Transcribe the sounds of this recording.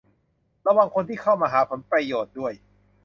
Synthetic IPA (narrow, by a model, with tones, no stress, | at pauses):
ɾa˧waː˨˩ŋkʰo˧nt̪ʰiː˥˩kʰa˥˩wmaː˧ɦaː˩˦pʰo˩˦npɾa˧joː˨˩t̪̚du˥˩əj